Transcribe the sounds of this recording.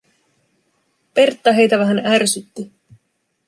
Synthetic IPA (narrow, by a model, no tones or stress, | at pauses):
pe̞rt̪ːɑɦe̞jt̪æʋæɦænærsyt̪ːi